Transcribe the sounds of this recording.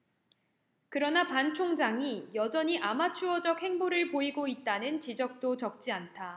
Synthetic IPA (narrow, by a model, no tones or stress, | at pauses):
kɯɾʌnapant͡ɕʰoŋd͡ʑaŋijʌd͡ʑʌɲiʔamat͡ɕʰuʌd͡ʑʌk̚he̞ŋboɾɯɭpoiɡoit̚t͈anɯnt͡ɕid͡ʑʌk̚t͈ot͡ɕʌk̚t͡ɕ͈iantʰa